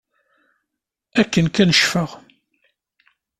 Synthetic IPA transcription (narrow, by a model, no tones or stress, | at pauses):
ækːənkænəʃfəʁ